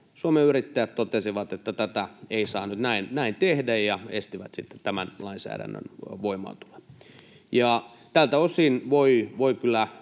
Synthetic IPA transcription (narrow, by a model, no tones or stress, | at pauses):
suomeyrit̪ːæjæt̪t̪ot̪esiʋɑt̪et̪ːæt̪æt̪æeisɑ̰ːnyt̪næinnæint̪ehdæjjɑḛst̪iʋæt̪sit̪ːe̥t̪æmænlɑinsæ̰ːɾæ̰nːø̰nʋoimɑ̰ːt̪u̥le̥ | jɑ | t̪ælt̪æosiːnʋoiʋoikylːˑæ